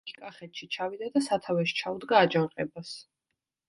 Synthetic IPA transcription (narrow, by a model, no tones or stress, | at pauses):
kʼaχɛt̪ʰʃit͡ʃʰavid̪ad̪asat̪ʰavɛʃi̥t͡ʃʰaud̪ɡaːd͡ʒaɾqʼɛbas